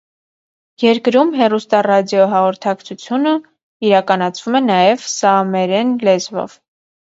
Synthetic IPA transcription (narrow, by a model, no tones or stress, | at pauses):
jɛɾkɾumɦɛrust̪ɑrɑd̪jɔɦɑʁɔɾt̪ʰɑkt͡sʰut͡sʰjunə | iɾɑkɑnɑt͡sʰvumɛnɑjɛvsɑmɛɾɛnlɛzvɔ̰v̥